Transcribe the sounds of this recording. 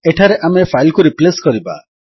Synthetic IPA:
eʈʰaɾeʔamepʰajlkuɾipleskɔɾiba̰

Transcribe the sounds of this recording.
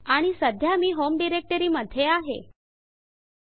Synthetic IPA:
aɽ̃isəd̪ʱjamiːɦomɖiɾek̚ʈəɾiːməd̪ʱjeaɦḛ

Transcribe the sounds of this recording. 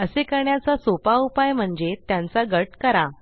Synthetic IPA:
əsekəɾɳjat͡sasopaupajm̤əɳd͡zet̪jãnt͡saɡəʈkəɾa

